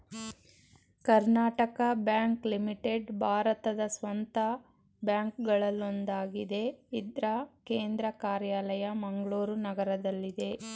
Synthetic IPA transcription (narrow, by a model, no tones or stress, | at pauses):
kɐɾnaːʈɐkɐbjaːŋklimiʈeɖbʱaːɾɐt̪ɐd̪ɐsʋɐnt̪ɐ | bjaːŋkɡɐɭɐlːond̪aːɡid̪e̞id̪ɾɐke̞ːnd̪ɾɐkaːɾjaːlɐjɐmɐŋɡɐɭuːɾunɐɡɐɾɐd̪ɐlːid̪e̞